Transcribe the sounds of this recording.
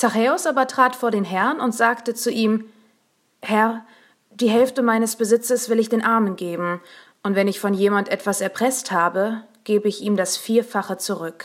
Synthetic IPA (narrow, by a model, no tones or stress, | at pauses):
t͡saχeːʊsʔaːbɐtʁ̥aːtfoːɐɾeːnɦɛɐnʊntz̥aːktət͡suʔiːm | hɛɐ | d̥iːɦɛlftəmaɪnəsb̥əzɪt͡səsv̥ɪlɪçd̥eːnʔaɐmənɡeːbm̩ | ʔʊntv̥ɛnɪçfɔnjeːmantʔɛtv̥asɛɐpʁ̥ɛsthaːbəɡ̥eːbəɪçiːmdasfiːɐfaχət͡suʁʏk